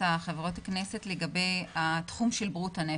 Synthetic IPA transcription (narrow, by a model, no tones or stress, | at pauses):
aχevʁo̞taknese̞tle̞ɡabe̞jatχumʃelbʁuthane